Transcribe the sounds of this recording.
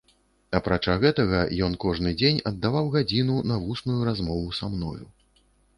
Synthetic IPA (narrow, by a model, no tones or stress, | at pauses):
ɐapɾat͡ʂaɣɛt̪ɐɣɐjɔnkɔʐnɨd͡zʲenʲɐd̪ːavawɣad͡zʲinunɐvusnujuɾazmɔvusamnɔ̰jṵ